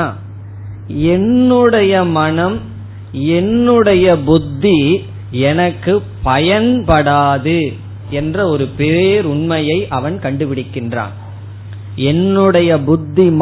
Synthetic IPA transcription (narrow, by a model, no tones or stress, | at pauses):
ɛnːɯɽɐjɐmɐnɐm | ɛnːɯɽɐjɐbʊd̪ːi | ɛnɐkːɯpɐjɐnpɐɽaːðɯ | ɛndrɐɔɾɯpeːɾʊɳmɐjɐɪʔɐʋɐnkɐɳɖɯpɪɽɪkːɪndra̰ːn | ɛnːɯɽɐjɐbʊd̪ːim